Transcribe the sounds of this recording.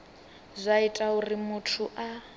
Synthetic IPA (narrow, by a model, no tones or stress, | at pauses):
zʷaitʼaurimutʰuʔa